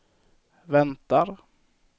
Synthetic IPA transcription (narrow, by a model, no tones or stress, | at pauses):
vɛnt̪aɾ